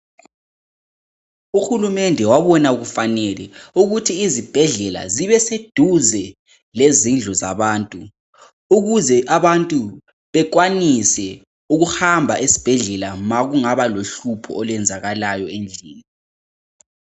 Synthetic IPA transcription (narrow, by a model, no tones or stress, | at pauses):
uxulumɛndʱɛwaβɔnauɣufanɛlɛuɣutʰiːzib̥ʱɛɮɛla̰ziβɛsed̥ʱuzɛ | lezind͡ɮʱɔza̰βaːntʼu | uɣuzɛʔaβantʼu | βɛk̬wanisɛ | uɣuhambʱaʔisi̥b̥ʱɛɮɛlamaɣuŋaβaloɬupʰɔ̰ɔlwɛnd͡zʱaɣalajɔend͡ɮʱiːni